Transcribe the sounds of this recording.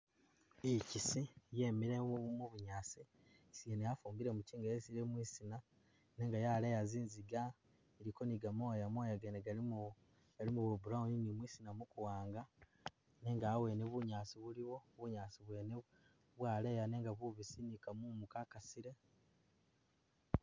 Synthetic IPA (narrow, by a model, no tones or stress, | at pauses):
icisije̞miɾemuβuɲaːsi | sienejafuːmbiɾe̞muciːŋɡajesiɾemwiːsina | ne̞ːŋɡajalejaziːnziɡa | eɾiko̞niɡamo̞ːjamoːjaɡeneɡa | ɡ̥alimuβuubuɾauninimwiːsinamukuwaːŋɡa | ne̞ːŋɡaːwe̞ːneβuɲaːsiβuliβo̞βuɲaːsiβwe̞ːne | βwaːle̞jane̞ːŋɡaβuβisinikamumukakasiɾe̞